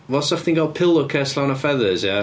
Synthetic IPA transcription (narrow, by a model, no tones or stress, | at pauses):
wɛlˠsəfθɪ̃ŋɡoʊpʰɪlˠəkʰɜˑsləʊ̃nəfɛðəzjɛ